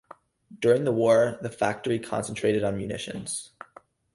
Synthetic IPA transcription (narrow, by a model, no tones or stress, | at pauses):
d̥ʊɹɪ̃ŋðəwɔɹðɨfæk̚tə˞ikʰɑ̰̃nsn̩tʰɹ̥eɪɾɨɾn̩mjʉnɪ̰ʃɨ̰̃nz̥